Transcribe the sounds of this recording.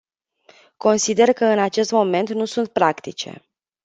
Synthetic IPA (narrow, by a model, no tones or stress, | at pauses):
ko̞nsid̪e̞rkəɨnat͡ʃe̞st̪mo̞me̞nt̪nusunt̪̚pɾakt̪it͡ʃḛ